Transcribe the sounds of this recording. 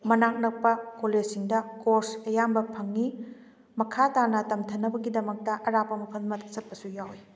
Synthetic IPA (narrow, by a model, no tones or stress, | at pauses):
mɐnak̚nɐk̚pɐkoled͡ʒsiŋdɐkoɾsɐjambɐpʰɐŋːi | mɐkʰataɾnɐtɐmtʰɐnːɐbɐɡidɐmɐk̚tɐʔɐɾapɐmɐpʰɐlmɐtsɐt̚pɐsujawi